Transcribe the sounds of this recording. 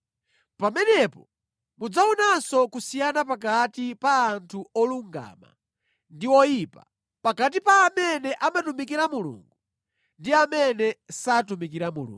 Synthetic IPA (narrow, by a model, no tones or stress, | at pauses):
pamɛnɛpɔ | mud͡zaunasɔkusijanapakatipaːntʰuɔluŋɡa̰ma̰ | ndiwɔjipa | pakat̬ipaːmɛnɛʔamatumikiɾamulṵːŋɡu | ndiamɛnɛsatumikiɾamulṵː